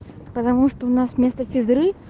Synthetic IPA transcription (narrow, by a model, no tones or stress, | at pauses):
pət̪ɐmuʂt̪oʊnasmʲest̪əfʲɪzɾɨ